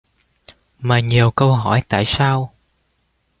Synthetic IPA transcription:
maː˨˩ɲi˨˩əwkə˧wɦɔ˧˩jt̪a̰ː˧˨jsaː˧w

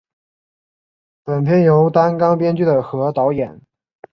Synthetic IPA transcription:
pə˨˩np̪ʰjɛ˥njo˧˥ʊt̪a˥nkɑ˥ŋpjɛ˥nt͡ɕy˥˩d̪ə˩xɤ˧˥t̪ɑ˧˥ʊjɛ˨˩˦n

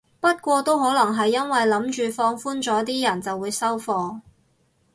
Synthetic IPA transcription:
pɐ˥t̚kʷɔː˧t̪o˥whɔː˨˥lɐ˨˩ŋɦɐ˨jːɐ˥nwɐ˨jlɐ˨˥mt͡ʃyː˨fɔː˧ŋfuː˥nt͡sɔː˨˥t̪̬iː˥jɐ˨˩nt͡sɐ˨wːuː˨˧jsɐ˥wfɔː˧

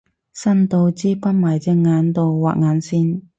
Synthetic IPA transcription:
sɐ˥nt̪o˧wt͡siː˥pɐ˥t̚maː˨˩jt͡sɛ˧ŋŋːaː˨˧˥nt̪o˧wwa̰ː˨k̚ŋaː˨˧˥nsiː˥n

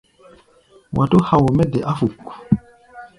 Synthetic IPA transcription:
wʔa˨to˦ha˨wo˨mɛ˦dɛ˨ʔa˦fu˨kːu˨

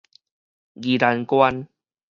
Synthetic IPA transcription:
ɡi˨la˧nkwa˦n

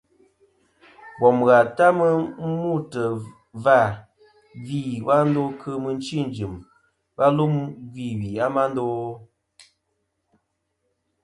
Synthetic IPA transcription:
bɔ˨mɣa˨ta˦mə˦mu˦˨tə˨ | va˦˨ | vi˦˨wa˦n̩˦do˦kʰə˦mə˨n̩˦t͡ʃi˦˨n˨d͡ʒɨ˨m | ba˦lu˦mɡi˦˨wi˨a˦ma˦n˦do˦

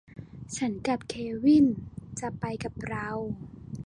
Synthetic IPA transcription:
t͡ɕʰa˦˥nka˨˩p̚kʰeː˧wi˥˩nt͡ɕa˨˩pa˧jka˨˩p̚ɾa˧˥w

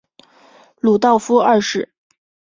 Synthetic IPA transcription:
lu˨˩t̪ɑ˥˩ʊfu˥a˥˧ʂɻ̩˥˩

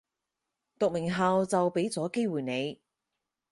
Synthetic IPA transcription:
t̪ʊ˨k̚mɪ˨˩ŋɦaː˨wt͡sɐ˨wpe˨˥jt͡sɔː˨˥ke˥jwuː˨jne˨˧j

